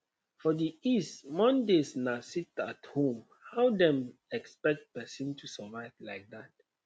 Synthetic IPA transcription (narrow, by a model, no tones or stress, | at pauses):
fɔdiistmɔ̃ndesnasitathõm | haʊdɛ̃mɛkspɛk̚t̚pɛsɔ̃ntʰusɔvaɪvlaɪk̚dat̚